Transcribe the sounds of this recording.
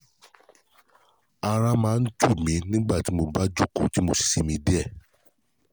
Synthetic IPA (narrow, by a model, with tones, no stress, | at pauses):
a˧ɾa˦mãː˨˦n̩˦tu˦˨mĩ˨˦nĩ˦ɡ͡ba˦˨ti˨˦mo˧ba˦d͡ʒu˦kṵ˦˨ti˨˦mo˨˧si̥˨si˧mĩ˧˦di˦ɛ˦˨